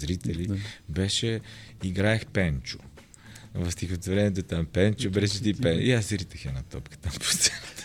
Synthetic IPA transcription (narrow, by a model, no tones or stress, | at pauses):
zɾit̪ɛlibɛʃɛiɡɾaɛxpɛnt͡ʃʊ̥ | vɐfst̪ixot̪voɾɛniɛt̪̬ot̪ampɛnt͡ʃʊbɛʃɛt̪ipɛiaszɾit̪əxɛnɐt̪ɔpkə̥t̪ampo̥st̪sɛnt̪ə̥